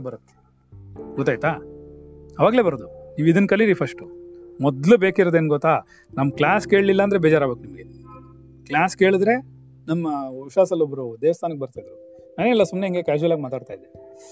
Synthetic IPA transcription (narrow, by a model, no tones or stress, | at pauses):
bɐɾɐt̪ːe̥ | ɡɔt̪ːaːjt̪aː | ɐʋaːɡle̞ːbɐɾod̪uniːʋid̪ɐnkɐlːiɾipʰɐʂʈumɔd̪lubeːkiɾɔd̪eːnɡɔt̪ːaː | nɐmːɐklʲaːske̞ːɭlilːɐːnd̪ɾebeːd͡ʒaːɾaːɡbeknimɐɡe | klaːskeːɭid̪ɾe̞ | nɐmːɐiʃaːsɐlːobɾud̪eːʋɐst̪ʰaːnɐkːebɐɾt̪aːjd̪ɾu | naneɛlːɐsumneɦiŋɡe̞kaːd͡ʒuɐlaːɡimaːt̪aːɽt̪aːjd̪e